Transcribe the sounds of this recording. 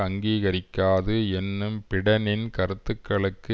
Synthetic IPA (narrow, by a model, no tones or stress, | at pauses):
ɐŋɡiːɣɐɾɪkːaːðɯɛnːɯmpɪɽɐnɪnkɐɾɯt̪ːɯkːɐɭɯkːɯ